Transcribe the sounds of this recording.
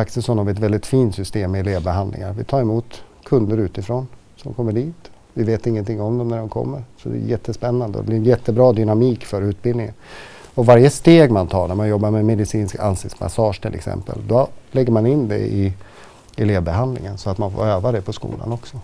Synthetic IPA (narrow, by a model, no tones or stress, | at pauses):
aksəsɔnavɪɛt̪vɛld̪ɪt̪fiːnt̪sʏst̪eːmːɪɛleːvbɛɦand̪lɪ̰ŋaɾvɪt̪ʰɑːɾɛmuːt̪kʰɵnd̪əɾʉ̟ːt̪ɪfɾoːn | sɔmkʰɔmːəɖiːt̪ | vɪveːt̪ɪŋːənt̪ʰɪŋːɔmd̪ɛmnæɖɛmkʰɔ̰mːəɾsɔd̪ɛ̰ːjɛt̪ːəspɛnːand̪ə̰d̪ɛ̰blɪɾjɛt̪ʰːəbɾɑːd̪ʏnamiːkfœɾʉ̟ːt̪̚bɪld̪ɪŋə̰n | ɔvaɾjəst̪eːɡmant̪ʰɑːɳæɾmanjɔbːaɾmɛmɛd̪ɪsiːnska̰nsɪkt̪sma̰sɑːʂt̪ʰɪlʔɛ̰ksɛ̰mpə̰ld̪ɔlɛɡːəɾmanɪnːd̪ɛ̰ɪ | ɛleːvbɛɦand̪lɪ̰ŋənsɔat̪manfo̰ːɾøːvad̪ɛpʰɔskṵːla̰nɔksɔ